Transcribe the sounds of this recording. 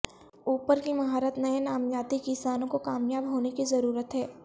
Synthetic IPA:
uːpəɾkimɐɦaːɾət̪nɐjenaːmjaːt̪ikɪsaːnõkokaːmjaːbɦoːnekizɐɾuːɾət̪ɦɛː

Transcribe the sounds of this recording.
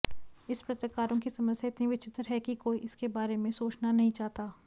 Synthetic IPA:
ɪspɾɐt̪ɾəkaːɾõkisɐməsjaɪt̪nĩʋɪt͡ʃɪt̪ɾəɦɛkikoːiʔɪskebaːɾemẽsoːt͡ʃnanɐɦĩt͡ʃaːɦt̪aː

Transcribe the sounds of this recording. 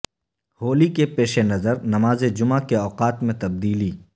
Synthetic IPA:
hoːlikepeːʃenɐzəɾnɐmaːzed͡ʒʊmakeɔːqaːt̪mẽt̪ɐb̚d̪iːliː

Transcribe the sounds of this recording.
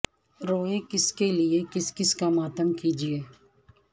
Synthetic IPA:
ɾoːẽkɪskelɪekɪskɪskamaːt̪əmkiːd͡ʒieː

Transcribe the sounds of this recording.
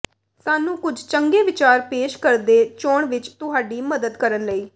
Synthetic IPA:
saːnũːkʊd͡ʒʱt͡ʃəŋɡeːʋɪt͡ʃaːɾpeːʃkəɾd̪eːt͡ʃoːɳʋɪt͡ʃt̪ʊɦaːɖiːməd̪əd̪kəɾənləiː

